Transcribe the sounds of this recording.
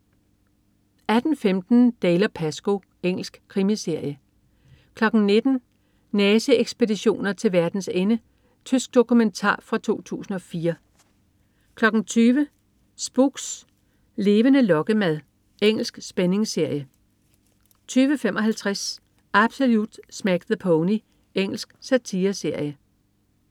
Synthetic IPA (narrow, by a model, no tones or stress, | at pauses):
æd̥n̩femd̥n̩d̥eːlɐpʰæsɡ̥o̝ | eŋ̰l̩sɡ̥kʰʁimise̝ɐ̰jə | kʰlɒ̽ɡ̥n̩ne̝d̥n̩ | nɛːsəeɡ̥sb̥e̝diɕo̝̰ːnɐt͡sʰe̝lʋæɐd̥n̩senə | t͡sʰysɡ̥̚d̥o̝kument͡sʰɑ̰̈ːfʁɑ̈t͡sʰo̝̰ːt͡sʰṵːsn̩ɒ̽fiːɐ | kʰlɒ̽ɡ̥n̩t͡sʰyːʋə | sb̥uɡ̥s | le̝ːʋənəlɒ̽ɡ̥əmæð̞ˠ | eŋ̰l̩sɡ̥sb̥ene̝ŋse̝ɐ̰jə | t͡sʰyːʋəfemʔɒ̽ɦælt͡sʰʁas | ʔæb̥so̝lud̥smæɡ̥ðəpʰɔʊni | eŋ̰l̩sɡ̥sæt͡sʰiːɐse̝ɐ̰jə